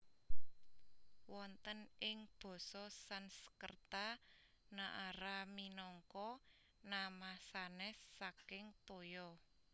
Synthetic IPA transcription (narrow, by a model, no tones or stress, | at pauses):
wɔnt̪ənɪŋb̥ɔ̤sɔsansə̥kərt̪a | naʔaɾaminɔŋkɔ | namasanɛsːakɪŋt̪ojɔ